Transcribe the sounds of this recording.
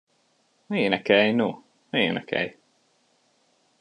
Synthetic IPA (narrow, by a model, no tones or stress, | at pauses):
eːnɛkɛjno | eːnɛkʰɛ̰j